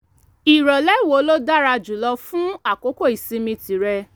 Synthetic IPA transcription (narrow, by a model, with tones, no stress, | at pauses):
i˨ɾɔ˨lɛ˦˨wo˨˦lo˦da˦ɾa˧d͡ʒu˨lɔ˧fũ˦a˦˨ko˨˦ko˦˨i˨sĩ˧˦mĩ˧ti˨˦ɾɛ˧